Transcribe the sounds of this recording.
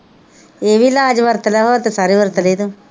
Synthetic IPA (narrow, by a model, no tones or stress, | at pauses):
eːʋiːlaːd͡ʒʋəɾt̪lɛɦoːt̪esaːɾiːʋəɾt̪əleːd̪ũː